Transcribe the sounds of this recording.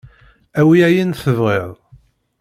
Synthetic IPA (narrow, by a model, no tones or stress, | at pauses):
æwiæjinθəvʁeðˤ